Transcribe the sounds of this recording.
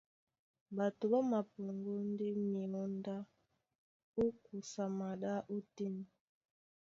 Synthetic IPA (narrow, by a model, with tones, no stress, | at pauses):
ba˨tu˨ba˦ma˨pɔ˨ŋɡu˦n˦di˦mi˨lɔ˦nda˦ | u˦ku˨sa˨ma˨ɗa˦ʔu˦ti˦ni˨